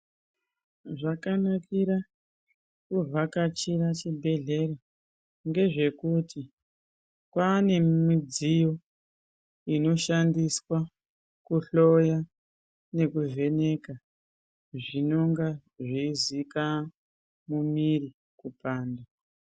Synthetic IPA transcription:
ʐakanakiɾa | kuvakat͡ʃirat͡ʃibʱe̞ɮe̞ɾa | ŋɡe̞ʐe̞kuti | kwaːne̞mid͡zijo | ino̞ʃandiswa | kuɬo̞ja | ne̞kuve̞ne̞ka | ʐino̞ŋɡaʐizika | mumiri | kupaːnda

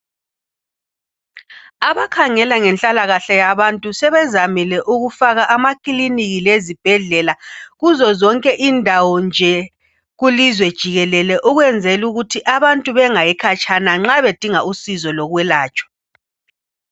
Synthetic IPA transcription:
aβakʰaŋɛlaŋɛnt͡ɬʼalaɣaɬajaβantʼusɛβɛzamilɛʔuɣufaɣaʔamakʼiliniɣilezib̥ʱɛɮɛlaɣuzɔzɔŋkʼɛʔindʱawɔnd͡ʒʱɛ | ɣulizwɛd̥ʒ̥ʱiɣɛlɛlɛʔuɣwɛnd͡zʱɛluɣutʰiʔaβantʼuβɛŋajɛkʰat͡ʃʰʼanaŋ͡ǁaβed̥ʱiŋausizɔlɔɣwɛlaːt͡ʃʼwḁ

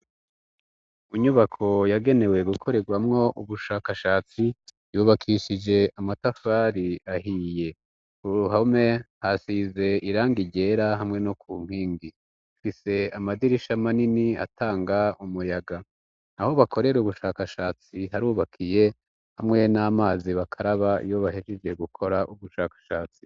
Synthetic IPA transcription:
iɲuβakʰo̞jaɡe̞ne̞we̞ɡukʰo̞ɾe̞ɡwamŋo̞ʔuβuʃaːkaʃaːt͡si | juːβakʰiʃid͡ʒe̞amatafaɾiaɦiːje̞ | uɾuɦame̞hasize̞iɾaːŋɡiɟe̞ɾaɦamŋe̞nokʰuːŋ̥hiːŋɡi | ufise̞amadiɾiʃamaninia̰tʰaːŋɡaumujaɡa | naho̞βakʰo̞ɾe̞ɾuβuʃaːkaʃaːt͡siɦaɾuːβakʰije̞ | hamŋe̞namaːziβakʰaɾaβa̰joβahiʒed͡ʒe̞ɡukʰo̞ɾaʔuβuʃaːkḁʃaːt͡si̥

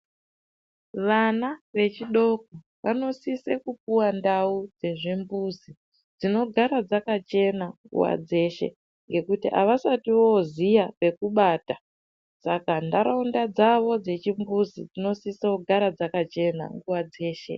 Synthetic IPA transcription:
ʋanaʋe̞t͡ʃiɗo̞k̚o | ʋano̞sisekup̚uwandaud͡ze̞ʐimbuzi | d͡zino̞ɡʱaɾad͡zakat͡ʃe̞naŋɡṵwa̰d͡ze̞ʃe̞̰ | ŋɡe̞kutiʔa̰ʋasatiwozijape̞kuɓaːta | sakandaɾaundad͡zaʋo̞d͡ze̞t͡ʃimbuzid͡zino̞siseuɡʱaɾad͡zakat͡ʃe̞na̰ŋɡuwad͡ze̞ːʃe̞̰

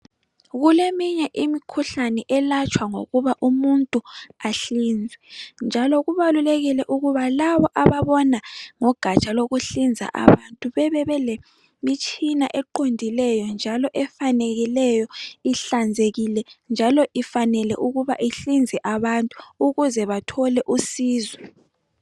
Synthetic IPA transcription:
ɣulemiɲɛʔimikʰuɬanɛʔɛlat͡ʃʼʰwaŋo̰ɣuβaʔumuntʼuaɬind͡zʱɛnd͡ʒʱalɔɣuβaluleɣilɛʔuɣuβalaβɔʔaβaβɔnaŋɔɡ̥ʱat͡ʃʼaloɣuɬind͡zʱa̰ʔa̰βantʼuβɛβɛβɛle | mit͡ʃʼina̰ʔɛǃondʱilɛjɔnd͡ʒʱalɔʔɛfaneɣilɛjɔiɬand͡zʱeɣilɛnd͡ʒʱalɔʔifanɛlɛʔuɣuβa̰ʔiɬind͡zʱɛʔaβantʼu̥uɣuzɛβatʰɔlɛʔusiːzwɛ

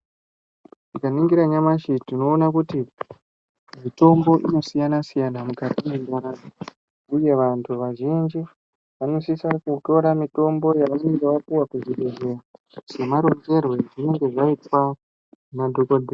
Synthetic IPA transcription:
tikaniŋɡiɾaɲamaʃitino̞ːnakuti | mito̞mbo̞ʔino̞sijanasijanamukatimendaɾa | uje̞ʋantʰuʋaʒind͡ʒi | ʋano̞sisakuto̞ɾamito̞mbo̞jaʋaneŋɡeʋapuwakuziɡeze̞ra | se̞maɾo̞nd͡ʒe̞rwe̞ʐino̞ŋɡe̞ʐaitwa | nadʱokodʱe

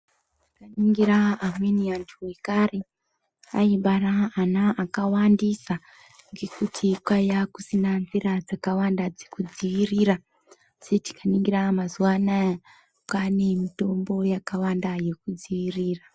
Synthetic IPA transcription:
ttikaniŋɡiɾaːmweniantʰuwekare | a̰iɓaraːnaʔakawandisa | ŋɡe̞kutʰikwajakusinanzirad͡zakawandad͡zekud͡ziʋiriːra | seti̥kaniŋɡiramazuwana | kane̞mito̞mbo̞jakawandaje̞kud͡ziʋiriːra

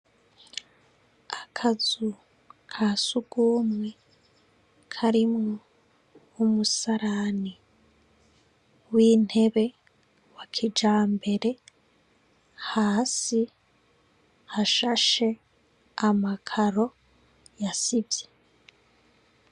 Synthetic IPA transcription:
akʰazu | kʰaːsuɡ̥uːmŋe | kʰaɾimŋo | umusaɾani | wiːn̥he̞βe̞ | wakʰid͡ʒaːmbe̞ɾe̞ | haːsi | haʃaʃe̞ | amakʰaɾo̞ | jasibje

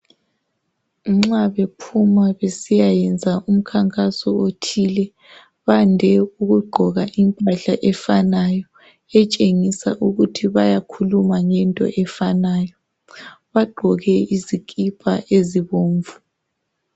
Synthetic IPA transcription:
ŋ͡ǁaβepʰumaβesijajɛnd͡zʱaʔum̩kʰaŋkʼasɔotʰilɛ | βandʱɛuɣuɡ͡ǃʱɔɣaʔimpʼaɬaʔɛfanajɔ | ɛt͡ʃʼeŋisa̰ʔuɣutʰiβajakʰulumaŋɛntʼɔ̰ʔɛfanaːjɔ | βaɡ͡ǃʱɔɣɛizikʼipʰa̰ʔeziβoːɱvu

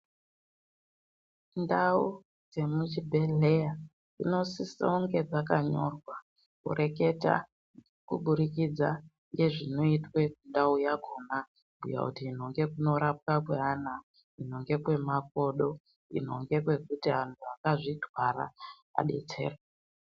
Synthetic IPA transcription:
ndau | d͡ze̞mut͡ʃibʱe̞leja | ino̞sisooŋɡe̞d͡zakaɲo̞rwa | kṵɾe̞ke̞ta̰ | kṵɓuɾikid͡za̰ | ŋɡe̞ʐino̞itwe̞kundaujaɡʱo̞na | ɡʱṵja̰kutiin̤o̞ŋɡe̞kuno̞ɾap̚kakweɦaːna | in̤o̞ŋɡe̞kwe̞mak̚o̞ɗo̞ | ḭn̤o̞̰ŋɡe̞kwe̞kutiɦantʰuakaʐidʱwaɾa̰ | a̰ɗe̞̰t͡se̞̰ːre

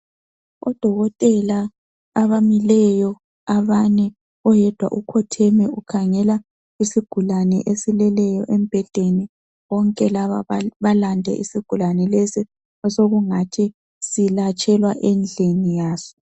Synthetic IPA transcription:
ɔ̰d̥ʱɔɣɔtʼɛlaː | βamilɛjɔ | aβanɛ | ɔjɛd̥ʱwa̰ʔukʰɔtʰɛmɛukʰaŋɛla | isiɡ̥ʱulanɛ̰ʔesilɛlɛjɔʔem̩b̥ʱɛɮ̥ʱeni | βɔŋkʼɛlaβaβalandʱɛ̰ʔḭsiɡ̥ʱulanɛlesi | ɔsoɣuŋatʰi | silat͡ʃʼɛlwaʔɛnd͡ɮʱenijaːsɔ̥

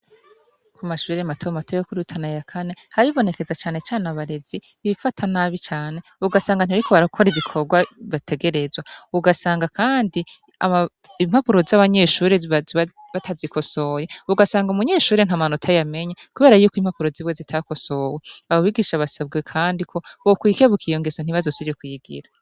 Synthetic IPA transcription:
kumaʃuːɾeamatʰomatʰojokuɾutʰanajakʰane̞haiβo̞ne̞ke̞zat͡ʃaːne̞t͡ʃaːnaβaɾezi | βifatʰanaβit͡ʃaːne̞uɡasaːŋɡaniaɾikʰoβaɾakʰo̞ɾiβikʰo̞ɡwaβatʰe̞ɡe̞ɾe̞zwauɡasaːŋɡakʰaːndi | ama | imhapuɾo̞zaβaɲe̞ʃuːɾeβz | βatʰazikʰo̞so̞jeuɡasaːŋɡumuɲe̞ːʃuːɾen̥amanotʰajame̞ɲakuβe̞ːɾajuːkiːm̥hapuɾo̞ziβwezitʰako̞so̞weaβoβiɡiːʃaβasabɡe̞kʰaːndikʰo̞βokwiːkeβukʰijo̞ŋɡezon̥iβazosiekwiːɡḭɾa

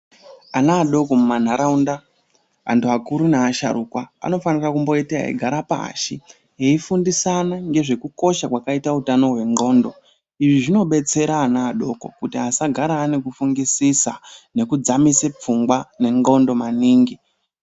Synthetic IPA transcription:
anaːɗo̞komuman̤aɾaunda | a̰ntuakuɾunaːʃa̰ɾukwaa̰no̞fanirakumbo̞itia̰ḭɡʱaɾapa̰a̰ʃi | ɦeifundisanaŋɡe̞ʐe̞kuko̞ʃakwakaitautano̞ɦwe̞ŋɡo̞ːndo̞ | iʐiʐino̞ɓe̞t͡se̞ɾaːnaːɗo̞ko̞̰kutiasaɡʱaɾaːne̞kufuŋɡisisane̞kud͡zamisep͡fuŋɡwane̞ŋɡo̞ndo̞maniːŋɡi

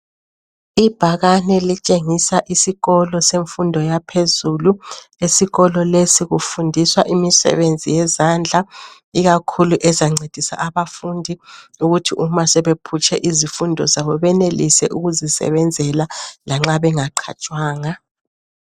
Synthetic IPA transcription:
ib̥ʱaɣanɛlit͡ʃʼeŋisaʔisiɣɔlɔseɱfundʱɔjapʰezulu | esiɣɔlɔlesiɣufundʱiswaʔimisɛ̰βend͡zʱijɛzand͡ɮʱa | iɣakʰuluʔɛzaŋ͡ǀed̥ʱisa̰ʔaβafundʱiuɣutʰiʔumasɛβepʰut͡ʃʰʼɛʔizifundʱɔ̰zaβɔβɛnelisɛ̰ʔuɣuzisɛ̰βɛnd͡zʱɛlalaŋ͡ǁaβɛŋaǃʰa̰t͡ʃʼwaːŋa

